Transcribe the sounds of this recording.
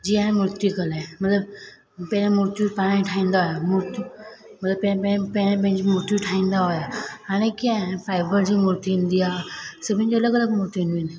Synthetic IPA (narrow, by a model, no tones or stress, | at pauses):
d͡ʑiːaẽmʊɾt̪ikɐlamɐt̪ləb | pẽẽmuɾt̪ipaːɽ̃iĩʈʰaːĩːnd̪aɦojamʊɾt̪imɐt̪ləbpɛ̃pɛẽpẽɽ̃ẽpẽɦɪ̃ɲd͡ʑimʊɾt̪iʈʰaːĩːnd̪aɦojaaɽ̃ẽkiãẽfaːɪbəɾd͡ʑiːmʊɾt̪iĩnd̪ijaːsɐbʱĩɲd͡ʑoɐləɡɐləɡmʊɾt̪ĩnd̪ini